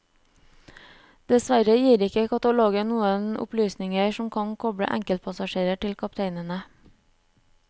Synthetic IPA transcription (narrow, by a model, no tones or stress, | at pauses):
d̪̥ɛsʋæɾəjiːɾɪkəkʰɑt̪ɑloːɡənuːənʊ̰plyːsnɪŋəʃɔmkʰɑŋkʰɔbɽə̰ʔæ̰ŋkəlt̪̚pʰɑsɑʃeːɾəʈɪlkʰɑpt̪ʰeɪnənə